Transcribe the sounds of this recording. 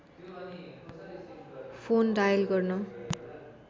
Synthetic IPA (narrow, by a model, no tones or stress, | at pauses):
pʰonɖajʌlɡʌrnʌ